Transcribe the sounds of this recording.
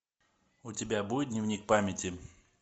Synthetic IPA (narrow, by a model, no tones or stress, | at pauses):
ʊtʲɪbʲabujʲɪt̪d̪ʲnʲɪvnʲik̚pamʲɪtʲɪ